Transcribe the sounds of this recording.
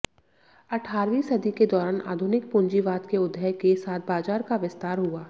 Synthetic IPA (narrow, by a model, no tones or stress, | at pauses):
ɐʈʰaːɾʋiːsɐd̪ʱiked̪ɔːɾaːnʔa̰ːd̪ʱʊnɪk̚pʊ̃ɲd͡ʒiʋaːd̪keʊd̪ʱːəjkesaːt̪̚ʰbaːd͡ʒaːɾkaʋɪst̪aːɾɦuaː